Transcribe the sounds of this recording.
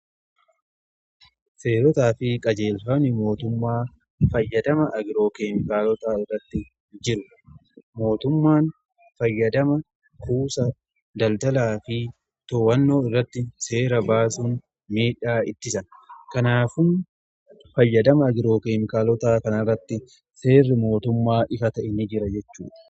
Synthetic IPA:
se̞ːɾɔt̪aːfɪkʼɐd͡ʒe̞ːlfɐnɪmo̞ːt̪ʊmːaː | fɐjːɐd̪ɐmɐʔɐɡɪɾo̞ːkeːmɪkaːlɔt̪aːɪrːɐt̪ːɪ | d͡ʒɪɾʊ | mo̞ːt̪ʊmːaːn | fɐjːɐd̪ɐmɐ | kuːsɐ | d̪ɐld̪ɐlaːfɪ | t̪oːwɐnːo̞ːɪrːɐt̪ːɪse̞ːɾɐbaːsun | miːᶑaːɪt̪ːɪsɐnkɐnaːfʊn | fɐjːɐd̪ɐmɐːɡɪɾo̞ːkeːmɪkaːlɔt̪aːkɐnɪrːɐt̪ːɪ | se̞ːrːɪmo̞ːt̪ʊmːaːʔɪfɐt̪ɐʔɪnːɪd͡ʒɪɾɐd͡ʒɛt͡ʃːuːᶑɐ̥

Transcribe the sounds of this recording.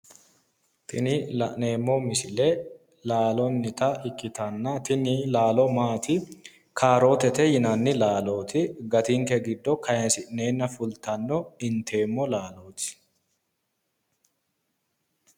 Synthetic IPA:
t̪ʰɪnɪlɐ̰ʔne̞ːmːɔmɪsɪlɛ | laːlɔnːɪt̪ɐʔɪkːɪt̪ɐnːɐt̪ɪnɪlaːlɔmaːt̪ɪ | kʰaːɾo̞ːt̪ɛt̪ɛjɪnɐnːɪlaːlo̞ːt̪ʰɪɡɐt̪ɪŋkɛɡɪd̪ːɔkʰɐjɛnsɪʔne̞ːnːɐfʊlt̪ɐnːɔɪnt̪ʰe̞ːmːɔlaːlo̞ːt̪ɪ̥

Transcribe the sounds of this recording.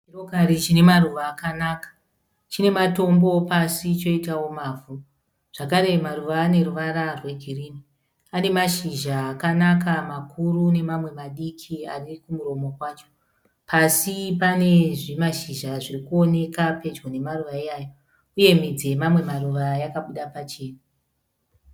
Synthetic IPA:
t͡ʃirokaɾit͡ʃine̞maruʋaːkanakḁ | t͡ʃine̞mato̞mbo̞pasit͡ʃo̞itawo̞maːvʱu | ʐ̥akaɾe̞maruʋaːne̞ruʋaɾarwe̞ɡʱiriːni | ane̞maʃiʒaːkanakamakʰurune̞mamwe̞maɗikʰia̰rikumuɾo̞mo̞kwaːt͡ʃo̥ | pʰasipane̞ʐimaʃiʒaʐirikuo̞ne̞kape̞d͡ʒɡone̞maruʋaiaːjo | uje̞mid͡ze̞mamwe̞maruʋajakaɓuɗapat͡ʃe̞ːna

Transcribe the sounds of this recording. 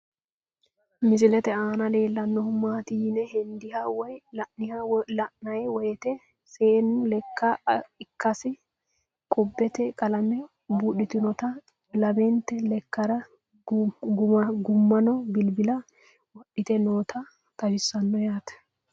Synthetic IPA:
mɪs̬ɪlɛt̪ɛaːnɐle̞ːlːɐnːɔhʊmaːt̪ɪjɪnɛhɛnd̪ɪhɐwɔjlɐʔnɪhɐlɐʔnɐjɛwɔjɛt̪ɛ | seːnʊlɛkʰːɐɪkʰːɐsɪ | kʼʊbːɛt̪ɛkʼɐlɐmɛ | buːɗɪt̪ɪnɔt̪ɐ | lɐbɛnt̪ɛlɛkːɐɾɐ | ɡʊɐɡʊmːɐnɔbɪlbɪlɐ | wɔɗːɪt̪ɛno̞ːt̪ʰɐ | t̪ɐʃɪsːɐnːɔjaːt̪ɛ̥

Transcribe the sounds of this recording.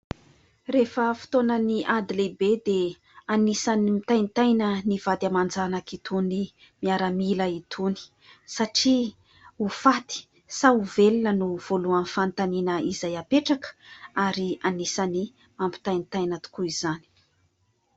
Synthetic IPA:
refəfi̥t̪onəniʔad̪ilebed̪e | anisanimit̪ajnit̪ajnəniv̥ad̪amand͡zanakit̪uni | miaɾəmiləit̪ʰuni̥ | saʈ͡ʂi | ufat̪i̥ | sauvelinənuv̥oluənfant̪aninəizajapeʈ͡ʂakə̥aɾianisani | mampi̥t̪ajnit̪ajnət̪u̥kuiz̥ani̥

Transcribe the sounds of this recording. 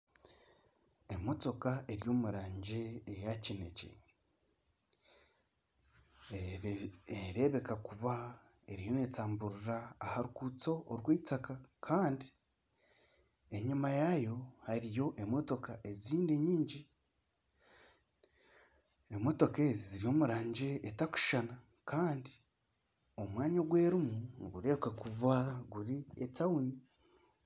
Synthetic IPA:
e̞mo̞to̞kaʔe̞ɾjo̞ːmuɾaːɲɟeːjacine̞̰cḛ | eɾe̞βe̞kakuβa | eɾijo̞net͡saːmbuɾuɾaːhaɾukut͡so̞ʔoɾɡweːtakakʰaːndi | e̞ɲumajajo̞haɾijo̞ʔe̞mo̞to̞kaʔe̞ziːndeɲiːɲɟi | emo̞to̞kezziɾio̞muɾaːɲɟe̞ʔːtaku̥ʃana | kaːndi | o̞mwaːɲoɡwe̞ːɾimuniɡuɾe̞kakuβaɡuɾietawuni

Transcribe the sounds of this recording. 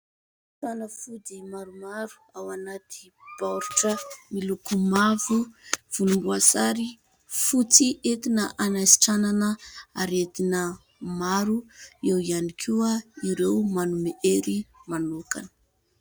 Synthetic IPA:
sanəfud̪imaɾumaɾu̥awanat̪ʰi̥ | b̥awɾiʈ͡ʂəmilukumavuv̥ulumbuasaɾi | fut͡siʔet̪inəʔanajsi̥ʈ͡ʂananəaɾed̪inə | maɾuewianikʰuaiɾewmanumeʔeɾimanukanə̥

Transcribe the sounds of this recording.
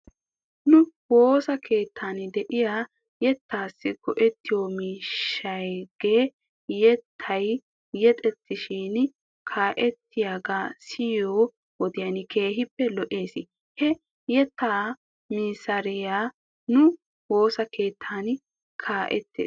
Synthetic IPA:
nʊwo̞ːsɐkʰe̞ːt̪ʰːaːnd̪ɛʔɪjaː | jɛt̪ːaːsːɪɡɔʔɛt̪ːɪjoːmiːʃːɐjɡ̥e̞ː | jɛt̪ʰːɐj | jɛt̪ʼɛt̪ːɪʃin | kʰaːʔɛt̪ːɪjaːɡaːsɪjoː | wɔd̪ɪjanɪkʰe̞ːɦɪpːɛlɔʔeːsɪ | hɛ | jɛt̪ːaː | miːsɐɾɪjaː | nʊ | wo̞ːsɐkʰe̞ːt̪ʰːaːn | kʰaːʔɛt̪ːḛːs

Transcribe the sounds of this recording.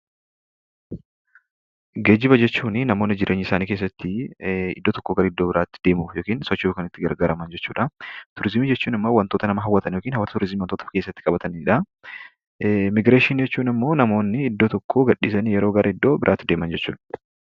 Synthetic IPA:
ɡeːd͡ʒːɪbɐd͡ʒɛt͡ʃːuːnɪnɐmo̞ːnːɪd͡ʒɪɾʔe̞ːɲːɪsaːniːkeːs̬ːɐt̪ːɪɪ̰d̪ːot̪ɔkːoːɡɐɾɐɪd̪ːoːbɪɾaːt̪ːɪ̥d̪̥e̞ːmʊjoːkiːnsɔt͡ʃːɪkɐnɪt̪ːɪɡɐ̰ɾɡaːɾɐmɐnd͡ʒɛt͡ʃːuːᶑɐt̪ʊɾɪzmiːd͡ʒɛt͡ʃːuːnɪmːo̞ːwɐnt̪ot̪ɐnɐmɐɦɐwːɐt̪ɐnjoːkiːnhɐwɐt̪ɐt̪ʊɾɪzmiːwɐnt̪oːt̪ɐ̥fke̞ːsːɐt̪ːɪkʼɐbɐt̪ɐnᶑɐ | mɪɡɾeːʃɪnd͡ʒɛt͡ʃːuːnɪmːo̞ːnɐmo̞ːnːɪːd̪ːoːt̪ɔkʰːoːɡɐᶑiːsɐnijɛɾo̞ːɡɐɾɐɪd̪ːo̞ːbɪɾʔaːt̪ːɪd̪e̞ːmɐnd͡ʒɛt͡ʃːṵːᶑɐ̥

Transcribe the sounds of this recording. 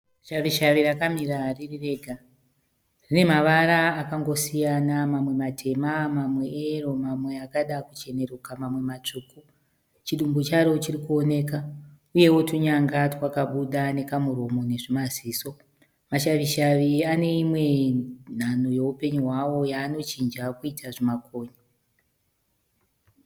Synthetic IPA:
ʃaʋiʃaʋirakamiɾaririre̞ɡʱa | rine̞maʋaɾaːkaŋɡo̞sijanamamwe̞matʰe̞mamamweero̞mamwe̞akaɗakut͡ʃe̞ne̞rukamamwe̞mat͡ʂuːku | t͡ʃiɗumbot͡ʃaɾo̞t͡ʃirikuone̞ːka | uje̞wo̞tuɲaŋɡatwakaɓuɗane̞kamuro̞mo̞ne̞ʐimaziːso̞ | maʃaʋiʃaʋiane̞imwe̞n̤anoje̞upe̞ɲuɦwawo̞jaːno̞t͡ʃind͡ʒakuitʰaʐimako̞ːɲa

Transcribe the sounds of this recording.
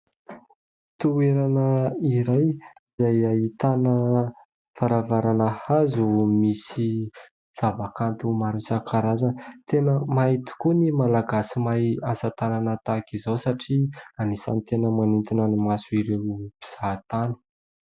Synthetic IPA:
t̪ueɾanəiɾaj | izajait̪anə | faɾavaɾanəhazumisi | z̥avakant̪umaɾisakʰaɾazant̪enəmait̪i̥kunimalaɡasimajasat̪ananət̪akizawsaʈ͡ʂianisa̰nit̪enəmanint̪inanimasuiɾewupi̥z̥at̪anə̥

